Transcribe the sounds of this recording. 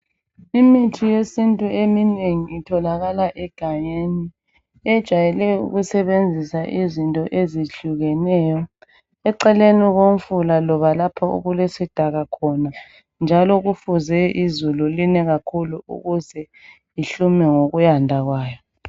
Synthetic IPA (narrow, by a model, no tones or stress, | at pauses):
imitʰijesintʼuemineŋiːtʰɔlaɣalaʔɛɡ̥ʱaɲeni | ɛd̥ʒ̥ʱajɛlɛṵɣusɛβend͡zʱisaʔizintʼɔʔeziɬuɣɛnɛjɔ | ɛǀɛleniɣom̩fulalɔβalapʰɔṵɣulesid̥ʱaɣakʰɔna | nd͡ʒʱalɔɣufuzɛʔizululinɛɣakʰuluṵɣuzɛ | iɬumɛŋoɣujandʱaɣwaːjɔ